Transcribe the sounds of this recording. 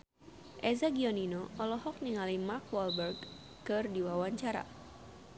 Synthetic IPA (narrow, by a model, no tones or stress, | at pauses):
ʔɛzaɡiɔninɔɔlɔɦɔk̚niŋalimarkwɔlbɛrɡ | kɨrdiwawaɲt͡ʃaɾa̰